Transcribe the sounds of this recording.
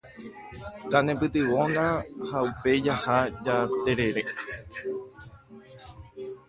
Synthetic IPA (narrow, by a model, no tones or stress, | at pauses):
k̪anẽpɨt̪ɨʋo̞nãhaupe̞d͡ʒahad͡ʒat̪e̞ɾe̞ɾe